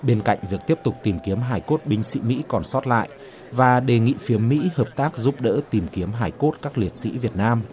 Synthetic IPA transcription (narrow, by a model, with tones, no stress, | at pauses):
ɓe˧nka̰˧˨jŋ̟vi˨˩ək̚t̪i˦˥əp̚t̪ʊ˨˩k͡p̚t̪i˨˩mki˨˦əmɦaː˨˩jko˦˥t̚ɓï˧ŋ̟sḭ˧˥mḭ˧˥kɔ˨˩nsɔ˦˥t̚la̰ː˧˨j | vaː˨˩ɗe˨˩ŋḭ˧˨fi˨˦əmːḭ˧˥həː˨˩p̚t̪aː˦˥k̚zu˦˥p̚ɗə̰ː˧˥t̪i˨˩mki˨˦əmɦaː˨˩jko˦˥t̚kaː˦˥k̚li˨˩ət̚sḭ˧˥vi˨˩ət̚naː˧m